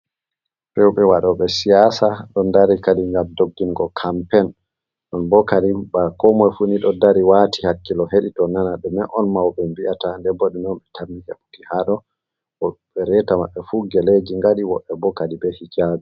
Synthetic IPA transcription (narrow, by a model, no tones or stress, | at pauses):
bɛwɓɛwaɗɔɓɛsijasaɗɔndaɾikaɗiŋɡamdoɡːimɡɔkʰampɛn | ɗɔnbɔkaɗibakɔmɔjfuniɗɔdaɾiwatihakːilɔɦeɗitɔnanaɗɔmɛʔɔnmawɓɛmbiatandɛbɔɗinɔnɓɛtʰamːihɛ̰ɓukihaɗɔ | ɔɓɛɾɛtamaɓːɛfuɡɛled͡ʒiŋɡaɗiwɔɓɛbɔkaɗibɛhikaɓɛ